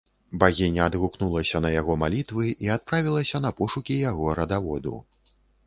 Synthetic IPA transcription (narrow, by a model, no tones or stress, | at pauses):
baɣʲinʲɐːd̪ɣuknulˠɐsʲɐnɐjaɣɔmalʲit̪vɨʔiat̪̚pɾavʲilˠɐsʲɐn̪ɐpɔʂukʲijaɣɔɾɐd̪avɔd̪ṵ